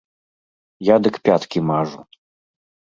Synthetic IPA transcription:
jad̪ɨkpʲat̪kʲimaʐu

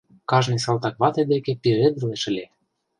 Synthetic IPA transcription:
kɑʒnes̬ɑlˠt̪ɑkβɑt̪ed̪ekepeed̪əleʃə̆lʲe

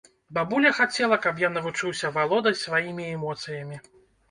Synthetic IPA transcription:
babulʲɐxat͡sʲɛlˠɐkɐpjanɐvut͡ʂɨwsʲɐvalˠɔd̪ɐjsvajimʲiɛmɔt̪sɨjɐmʲi

